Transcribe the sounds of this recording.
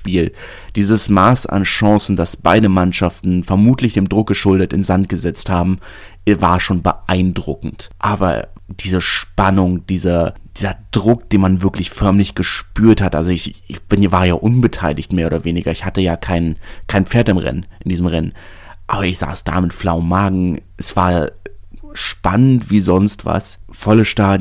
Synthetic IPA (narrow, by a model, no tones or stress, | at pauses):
ʃpiːl | d̥iːzəsmaːsa̰nʃɑ̃ŋsn̩dasb̥aɪdəmanʃaftn̩fɛɐmuːtʰlɪçd̥eːmdʁʊk̚ɡ̥əʃʊldətɪnzant̚ɡ̥əzɛt͡sthaːbm̩ | vaːɐʃoːnbə̰ʔaɪndʁʊkŋ̩tʔaːbɐ̰d̥iːzəʃpanʊŋd̥iːzɐd̥iːzɐd̥ʁʊk̚d̥eːnmanvɪɐklɪçfœɐmlɪçɡ̥əʃpyːɐthatʔa̰lzoɪçb̥ɪnvaːɐjaːʔʊnbətʰaɪlɪçtmeːɐoːdɐveːnɪɡɐɪçhatəjaːkʰaɪnkʰaɪnp͡feːɐtɪmʁɛ̰nnʔɪndiːzəmʁɛn | ʔʔaːbɐɪçz̥a̰ːsd̥a̰ːmɪtflaʊnmaːɡŋ̩ʔɛsv̥a̰ːɐ | ʃpanəntv̥iːzɔnstv̥a̰sfɔləʃtaː